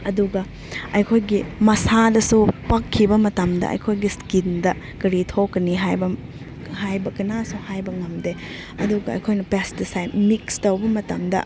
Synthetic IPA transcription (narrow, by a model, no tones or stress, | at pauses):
ɐduɡɐ | ɐjkʰojɡimɐsadɐsupɐkʰːibɐmɐtɐmdɐ̰ʔɐ̰jkʰojɡiskindɐ | kɐɾitʰokːɐniɦajbɐ | hajbɐkɐnasuhajbɐŋɐmde | ɐduɡɐɐ̰jkʰojnɐpestisajmikstɐwbɐmɐtɐmdɐ̰